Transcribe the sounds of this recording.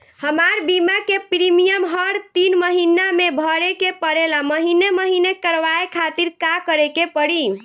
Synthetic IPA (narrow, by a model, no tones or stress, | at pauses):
həmaɾbimakepɾimijəmɦəɾt̪inməɦinamebʱəɾekepəɾelaməɦineməɦinekəɾʋaekʰat̪iɾkakəɾekepəɽi